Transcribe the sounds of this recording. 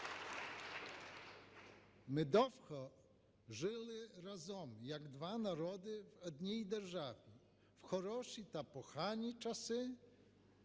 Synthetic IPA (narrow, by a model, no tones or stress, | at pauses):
mɪd̪ɔwxɔ | ʒɪlˠɪɾazɔmjɐɡd̪ʋanaɾɔd̪ɪwɔd̪ʲnʲijd̪erʒaʋʲi | wxɔɾɔʃit̪ɐpɔxanʲit͡ʃɐsɪ